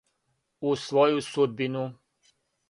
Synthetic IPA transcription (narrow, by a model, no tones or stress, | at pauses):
usʋojusud̪̚binu